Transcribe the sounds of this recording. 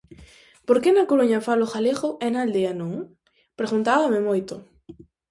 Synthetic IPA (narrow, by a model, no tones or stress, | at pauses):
poɾkenakoɾuɲafalʊxaleɣʊʔɛnald̪eanõŋ | pɾeɣunt̪aβamɪmojt̪ʊ